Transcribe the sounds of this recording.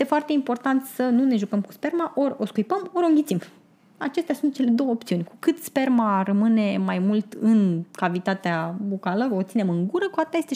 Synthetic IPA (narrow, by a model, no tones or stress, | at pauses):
jest̪e̞foart̪e̞impo̞rt̪ant̪sənune̞ʒukəmku̥spe̞rmaʔo̞ɾʲo̞skujpəmo̞ɾʲuŋɡʲit̪sim | at͡ʃe̞st̪easunt̪̚t͡ʃe̞le̞d̪o̞wəopt̪siunʲkukɨt̪spe̞rmarəmɨne̞majmult̪ɨnkavit̪at̪eabokaləot̪sinemɨŋɡuɾəkuat̪aje̞st̪e